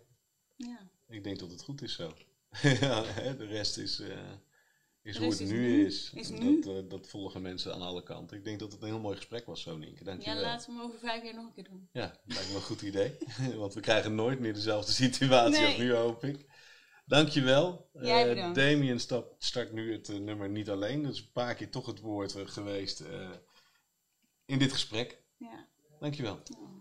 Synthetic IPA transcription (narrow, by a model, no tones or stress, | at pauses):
ja | ɪɡ̚dɛŋk̚dɑtətχutɪsːow | aɦɛdərɛstɪs | ɪsɦuətnyɪsdɔtdɑtfɔlˠəχəmɛnsəa̰ːnɑləkɑ̰ntɪɡ̚dɛŋk̚dɑtətənɦɪəlˠmoːjχə̥sprɛkʋɑsːownɪ̰ŋkədɑŋkjəʋɛlaːtəowvəɹvɛjfiːɹnɔχənkɪːdunjaːblajkləχutidejʋɑntʋəkrɛjχənːoːjt̚mɪːɹdəzɛlˠvdəsityaːtsiɔpnyɦowpɪk | dɑŋkjəʋɛlˠ | dejmiənstɑpstɑɹknyətnɵməɹnitɑlejndɑtɪsəpaːɹkɪːɹtɔχɦətʋʊːɹtχəʋejstə | ɪndɪtχə̥sprɛk | d̥ɑŋkjəʋɛlˠ